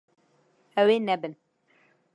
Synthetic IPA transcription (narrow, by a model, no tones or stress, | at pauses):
ɛweːnɛbɨn